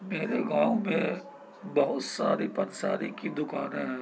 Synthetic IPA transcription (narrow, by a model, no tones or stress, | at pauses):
meːɾeɡãːmẽ | bɐɦʊt̪sa̰ːɾipɐɾsaːɾikid̪ʊkaːnɦɛ̃ː